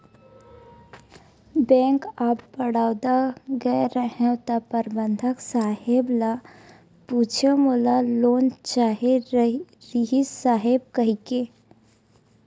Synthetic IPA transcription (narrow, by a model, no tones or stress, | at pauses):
bɛ̃ŋkapbəɽaːʊd̪aɡəeɾəɦẽt̪əpəɾbənd̪ʱəksaɦebla | put͡ʃʰemolalont͡ʃaɦe | ɾiɦisaɦeb̚kəɦike